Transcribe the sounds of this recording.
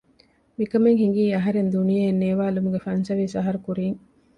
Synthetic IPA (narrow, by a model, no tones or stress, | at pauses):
mikɐmeŋɦiŋ̆ɡiːɐɦɐɾend̪unijɐenːeːʋaːlumuɡefɐnsɐʋiːsɐɦɐɾukuɾiːŋ